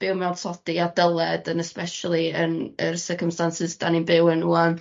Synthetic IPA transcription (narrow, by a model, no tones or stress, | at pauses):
b̥ɪwmɛwdsɔd̥iadəlˠɛdənɛspɛʃalˠiənərsərkəmstansɪzd̥aninbɪwənuan